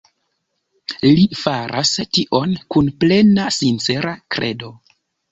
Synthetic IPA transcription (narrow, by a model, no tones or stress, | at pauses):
lifaɾʔastiʔo̞nkunple̞nasint͡se̞ɾakɾe̞̰do̞